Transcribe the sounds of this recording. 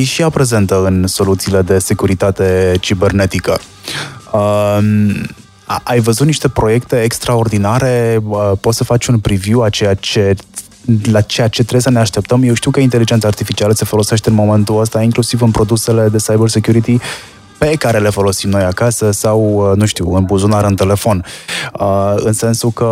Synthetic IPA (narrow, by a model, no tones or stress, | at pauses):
jeʃiapɾe̞ze̞nt̪əɨnso̞lut̪siːle̞d̪e̞se̞kuɾit̪at̪e̞t͡ʃibe̞rne̞t̪ikə̰ | əm | ajvəzut̪niʃt̪e̞pɾo̞je̞kt̪e̞ːkst̪ɾao̞rd̪inaɾe̞əpo̞t̪səfat͡ʃʲunpɾiviwat͡ʃe̞jat͡ʃe̞ | lat͡ʃe̞jat͡ʃe̞t̪ɾejsəneaʃt̪e̞p̚t̪əmjewʃt̪iwkəint̪e̞lid͡ʒent̪sart̪ifit͡ʃialəse̞fo̞lo̞se̞ʃt̪eɨnmo̞me̞nt̪uəst̪aiŋklusivɨnpɾo̞d̪use̞le̞d̪e̞sajbərsekjuɾit̪i | pe̞kaɾe̞le̞fo̞lo̞simno̞jakasəsawənuʃt̪iwɨnbuzunaɾɨnt̪e̞le̞fo̞nəɨnse̞nsukə